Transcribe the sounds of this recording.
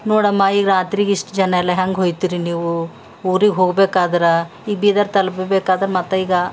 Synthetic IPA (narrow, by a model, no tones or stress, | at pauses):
noːɽɐmːaiːɡɾaːt̪ɾiɡiʂʈd͡ʒɐnɐɛlːɐɦaŋɡɦoːjt̪iːɾiniːʋu | uːɾiɡɦoːɡbeːkaːd̪ɐɾe | iːɡɐbiːd̪aːɾt̪ɐlbebeːkaːd̪ɐɾɐmɐt̪ːɐiːɡɐ